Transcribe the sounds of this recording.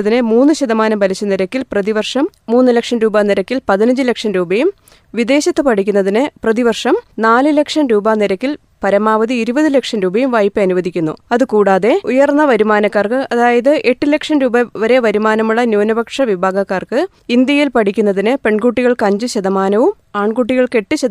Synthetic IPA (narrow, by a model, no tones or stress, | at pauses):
ðinɨmuːnːɨɕɐðɐmaːnɐmbʱɐlit͡ɕːɐnːiɾɐkːilprɐðiʋɐrʂɐmːuːnːɨlɐkʂɐnɾuːbaniɾɐkʲːilpɐðinɐɲd͡ʑilekʂɐnɾuːbɐjum | ʋid̪e̞ːɕɐt̪ːɨpɐʈʰikʲːunːɐðinɨprɐðiʋɐrʂɐmnaːlɨlekʂɐnɾuːbaːniɾɐkʲːil | pɐɾɐmaːʋɐðiːɾubɐðɨlekʂɐnɾuːbɐjumʋɐjpːɨɐnuʋɐðʱikʲːunːṵɐðɨkuːɽaːðe̞ujɐrnːɐʋɐɾumaːnɐkːaːrkɨʔɐðaːjɐðɨʔe̞ʈːilekʂɐnɾuːbɐʋɐɾe̞ʋɐɾumaːnɐmuɭːɐnjuːnɐbɐkʂɐʋibʱaːɡɐkːaːrkɨ | ind̪jɐjilpɐɽikʲːunːɐðinɨpe̞ɳɡuːʈːiɣɐɭkɐɲd͡ʑɨɕɐðɐmaːnɐʋum | aːɳɡuʈ̬ːiɣɐɭke̞ʈːɨɕɐ